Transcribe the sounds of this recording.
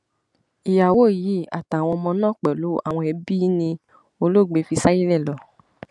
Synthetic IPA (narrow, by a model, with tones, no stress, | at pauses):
i˨ja˨wo˨˦˨ji˨˦a̰˨ta˨w̃ɔ̃˧mɔ̃˧nãː˦˨k͡pɛ˨lu˨˦a̰˦˨w̃ɔ̃˧ɛ˧bi˦nĩ˧ | o˧lo˦˨ɡ͡be˧˦fi˧sa˦ji˦lɛ˦˨lɔ˨˦